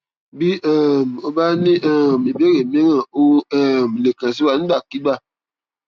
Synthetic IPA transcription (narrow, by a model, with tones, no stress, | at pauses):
bi˦ʔɛ˨m˨o˨ba˦nĩ˦ʔɛ˨mi˨be˦ɣe˨m˦e˦ŋa˨o˦ɛ˨m˨le˨kã˨s̬i˦wa˨˦n̩˦da˨ki˦ba˦˨